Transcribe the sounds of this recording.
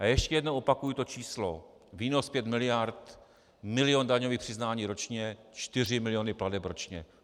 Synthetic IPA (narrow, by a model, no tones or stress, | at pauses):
ʔajɛʃcɛjɛdnowʔo̞pakujit̪o̞t͡ʃiːslo | viːno̞spjɛt̪mɪlɪjaɾt̪ | mɪlɪjondaɲo̞viːxpr̥ɪznaːɲiːɾo̞t͡ʃɲɛt͡ʃt̪ɪr̝ɪmɪlɪjo̞nɪpladɛpɾo̞t͡ʃɲɛ